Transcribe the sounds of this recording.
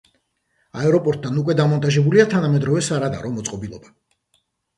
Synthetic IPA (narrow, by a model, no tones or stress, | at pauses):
aɛɾɔpʼɔɾt̪̚ʼd̪anukʼwɛd̪amɔnt̪ʼaʒɛbuliat̪ʰanamɛd̪ɾɔvɛsaɾad̪a̰ɾɔmɔt̪sʼqʼɔbilˠɔba